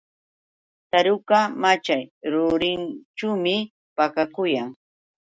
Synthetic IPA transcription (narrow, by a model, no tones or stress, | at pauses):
t̪aɾʊkamat͡ʃajɾʊɾɪnt͡ʃumɪ | pakakʊjaŋ